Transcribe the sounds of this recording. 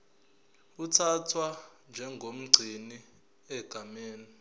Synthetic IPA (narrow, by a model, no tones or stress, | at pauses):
utʰatʰwa | nd͡ʒʱɛŋɡʱom̩ɡ͡ǀʱini | ɛɡ̥ʱameːni